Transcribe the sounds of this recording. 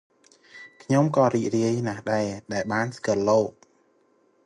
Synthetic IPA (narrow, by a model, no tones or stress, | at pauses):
kʰɲomkɑːriːc̚riəjnahɗaɛɗaɛlɓaːnskɨ̆loːk̚